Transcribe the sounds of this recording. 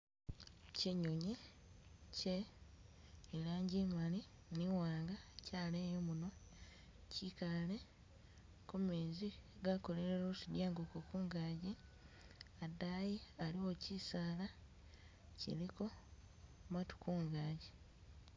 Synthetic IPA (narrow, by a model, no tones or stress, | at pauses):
ceɲoɲi | ce | laːɲɟiːmali | niwaːŋɡacaːlejomuno̞ | cikale | kumeːziɡako̞le̞ɾeɾosidjaːŋɡokokuːŋɡaːɟi | adaːjialiwo̞cisaːla | cḭliko̞ | matu̥kuːŋɡaːɟi